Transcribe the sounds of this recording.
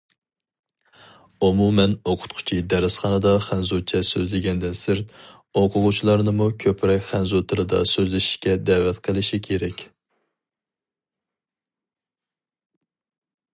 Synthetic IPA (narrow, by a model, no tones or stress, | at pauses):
umumɛnoqʰʊ̥t̪̚qʰʊ̥t͡ʃʰid̪æɾɪsχɑnɨd̪ɑχænzot͡ʃʰɛsøzlɪɡʲɛnd̪ɪnsɪɾt̪ | oqʰʊʁʊt͡ʃʰilˠɑɾnɨmukʲʰøpʰɾɛkʲχænzot̪ʰɨlɨd̪ɑ̰søzlɪʃi̥ʃkʲɛd̪ɛwɛt̪qʰəlˠɪʃikʲʰeɾɛkʲ